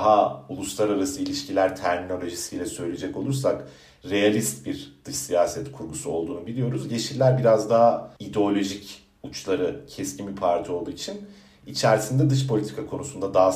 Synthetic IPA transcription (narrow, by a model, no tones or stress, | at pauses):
ɦaulˠuslˠaɾaɾasɯilʲiʃcilʲæɾt̪ʰæɾmino̞lʲo̞ʒisijlʲɛsø̞jlʲed͡ʒɛco̞lˠuɾsak | ɾe̞jalʲist̪̚biɾd̪̥ɯʃsijaːsɛt̪kʰuɾɡusuo̞̰lˠd̪uːnubilʲijo̞ɾuzɟe̞ʃiɾlʲæɾbiɾazd̪aɦaid̪eo̞lʲo̞ʒic | ut͡ʃlˠaɾɯcʰɛscʰimipʰaɾt̪ʰio̞lˠd̪uːit͡ʃʰin | it͡ʃʰæɾsind̪ɛd̪ɯʃ̬pʰo̞lʲit̪ʰi̥kʰakʰo̞nusund̪ad̪aɦa